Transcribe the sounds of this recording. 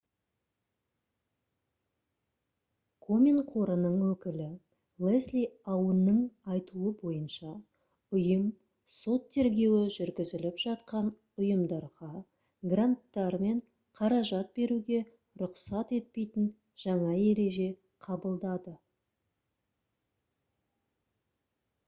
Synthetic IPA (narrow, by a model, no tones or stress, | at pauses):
kʰo̞mʲinqʰo̞ɾənəɴwɵkʲɪlɪ | lˠeslʲijɑwənːəɴɑjt̪uəbo̞jənʃɑ | ʊjəm | so̞t̪ʰːe̞ɾɡʲe̞wɪʒʏɾɡʲɪzɪlɪpʒ̥ɑt̪̚qɑn | ʊjəmd̪ɑɾʁɑ | ɡrant̪ːɑɾme̞ɴ | qʰɑɾɑʒɑt̪̚be̞ɾuɡʲe̞ | ɾʊqsɑt̪e̞t̪̚pe̞jt̪ɪn | ʒ̥ɑɴɑe̞ɾe̞ʒe̞ | qʰɑbəlˠd̪ɑd̪ə